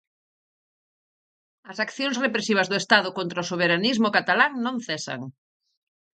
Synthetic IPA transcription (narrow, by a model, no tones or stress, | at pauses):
ɐsakθjõŋsrepɾesiβ̞ɐzðʊest̪aðʊkont̪ɾaosoβ̞eɾanizmʊkat̪alaŋnõŋθɛsɐ̰ŋ